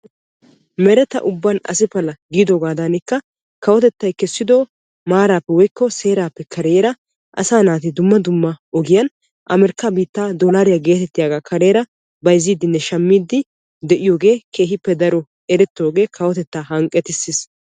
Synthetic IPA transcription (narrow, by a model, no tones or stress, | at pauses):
mɛɾɛt̪ːɐ̰ʔʊbːɐnɐ̰sɪpɐlɐɡiːd̪oɡaːd̪ɐnɪkːɐ | kɐwɔt̪ɛt̪ːɐjkɛsːɪd̪o̞ː | maːɾaːpːɛwɔjkːɔse̞ːɾaːpːɛkʰɐɾeːɾɐ | ʔɐ̰saːnaːt̪ɪd̪ʊmːɐd̪ʊmːɐɔɡɪjɐn | ʔɐmɛɾkːabiːt̪ːaːd̪ɔlaːɾɪjaɡe̞ːt̪ɛt̪ːɪjaːɡaːkʰɐɾe̞ːɾɐ | bɐjziːd̪ɪnːɛʃɐmːiːd̪ɪ | d̪ɛʔɪjoːɡe̞ːkʰe̞ːɦɪpːɛd̪ɐɾɔ | ɛɾɛt̪ːo̞ːɡe̞ːkʰɐwɔt̪ɛt̪ːaːɦɐŋkʼːɛt̪ɪsːɪs